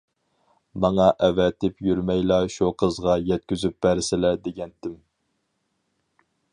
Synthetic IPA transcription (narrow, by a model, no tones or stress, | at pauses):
mɑŋɑʔɛvɛt̪ɪpjyɾmɛjlɑʃuqʰəzʁɑjɛt̪̚kʲyzyp̚b̥æɾɪsɪlæd̪eɡʲɛnt̪ɪm